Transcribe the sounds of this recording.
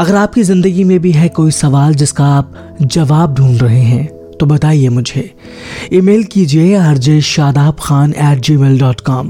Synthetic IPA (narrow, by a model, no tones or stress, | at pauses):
ɐɡəɾaːp̚kizɪ̃nd̪əɡimẽbʱiɦɛkoːisɐʋaːld͡ʒɪskaaːp̚ | d͡ʒɐʋaːb̚d̪ʱũːnɾɐɦeɦɛ̃ː | t̪obɐt̪aːiemʊd͡ʒʱe | imeːlkid͡ʒieaɐɾd͡ʒeːʃʃaːd̪aːbxaːnɛːʈ̚d͡ʒiːmeːlɖɔːʈkɔːm